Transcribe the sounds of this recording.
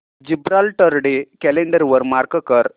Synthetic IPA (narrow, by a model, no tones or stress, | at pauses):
d͡ʑibɾalʈəɾɖekɛleɳɖəɾʋəɾmaɾkəkəɾ